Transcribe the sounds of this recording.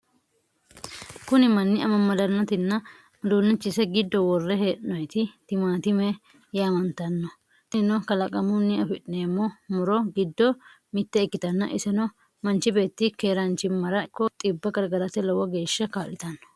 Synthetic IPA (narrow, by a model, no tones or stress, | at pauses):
kʊnɪmɐnːɪʔɐmɐmɐd̪ɐnːɔt̪ɪnːɐ | d̪uːnːɛt͡ʃːɪsɛɡɪd̪ːɔwɔrːɛɦe̞ːʔnɔjt̪ɪt̪ɪmaːt̪ɪmɛ | jaːmɐnt̪ɐnːɔ | ɛnɔkɐlɐkʼɐmʊnːɪɐfɪᶑɪneːmːɔmʊɾɔɡɪd̪ːɔ | mɪt̪ːɛːkːɪt̪ɐnːɐ̰ʔɪsɛnɔ | mɐnt͡ʃɪbe̞ːt̪ːɪkeːɾɐnt͡ʃːɪmːɐɾɐkːɔt̪ʼɪbːɐɡɐɾɡɐɾɐt̪ɛlɔwɐɡe̞ːʃːɐkaːlɪt̪ɐnːɔ̥